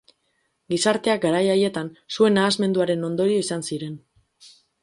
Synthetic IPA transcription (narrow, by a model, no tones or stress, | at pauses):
ɡisaɾt̪e̞ak̚ɡaɾajaje̞t̪ansue̞naːzme̞nd̪uaɾe̞no̞nd̪o̞ɾio̞isansiɾe̞n